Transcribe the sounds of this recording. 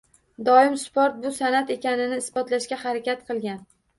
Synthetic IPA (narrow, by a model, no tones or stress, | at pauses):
d̪ɒɪmspoɾt̪̚bʊsanat̪e̞kʲanɪnɪːsbɒt̪laʃkʲahaɾakʲat̪̚qʰɨlˠɡʲan